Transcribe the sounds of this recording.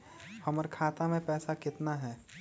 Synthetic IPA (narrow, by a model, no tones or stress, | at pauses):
hɐməɾkʰaːt̪amẽpɛːsakɪt̪naɦɛː